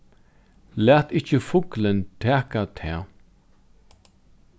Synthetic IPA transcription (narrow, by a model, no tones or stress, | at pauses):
læːt̪ɪht͡ʃəfʊklənt̪ʰɛːkat̪ʰɛ̰ː